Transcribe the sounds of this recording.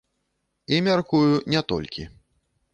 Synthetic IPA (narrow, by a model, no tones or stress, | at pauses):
imʲarkujunʲɛt̪ɔ̰lʲkʲḭ